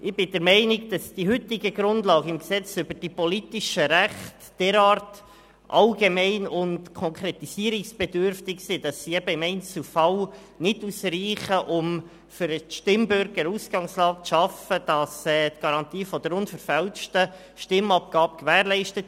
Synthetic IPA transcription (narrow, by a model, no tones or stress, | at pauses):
ʔɪb̥ɪdɛɾmɛɪnɪɡd̥ɑsd̥iɦʏt̪ɪɡəɡɾʊnd̥lɑːɡɪmksɛt͡sʏbəɾd̥ipɔlitiʃəɾæχtd̥ɛɾɑːrt | ʔɑlɡemɛɪnʊntkʰɔŋkʰɾet̪isiəɾɪksb̥ɛdʏɾftɪksid̥ɑsːiɛbəɪmɛɪnt͡sl̩fɑl | nɪduːsɾiːχəʔʊm | fʏɾəʃtɪmbʏɾɡəɾuːsɡ̥ɑŋslɑːk̚t͡sʃɑfəd̥ɑsɛːt̪ɡ̥ɑɾɑnt̪iːfɔd̪əɾʊnfəɾfɛlʃtə | ʃtɪmɑp̚ɡ̥ɑːpkʋæːɾlɛɪʃtət̪